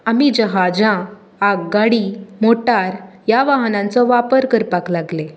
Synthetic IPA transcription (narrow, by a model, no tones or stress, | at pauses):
amid͡ʑəɦad͡ʑã | akɡaɽimoʈaɾjaʋaɦnãnt͡sɔʋapəɾkəɾpaklaɡle